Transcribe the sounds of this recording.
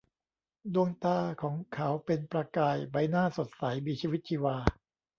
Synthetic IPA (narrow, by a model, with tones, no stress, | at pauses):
du˧əŋt̪aː˧˩kʰɔː˩˦ŋkʰa˦wpe˧npɾa˧kaː˧jba˧jnaː˥˩so˨˩t̪̚sa˩˦jmiː˧t͡ɕʰiː˧wi˦˥t̪̚t͡ɕʰiː˧waː˧